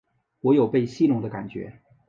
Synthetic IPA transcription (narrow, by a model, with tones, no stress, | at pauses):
wɔ˧˥jo˨˩ʊpe˥˧ɪɕi˥lʊ˥ŋd̪ə˧ka̰˨˩nt͡ɕɥɛ̰˧˥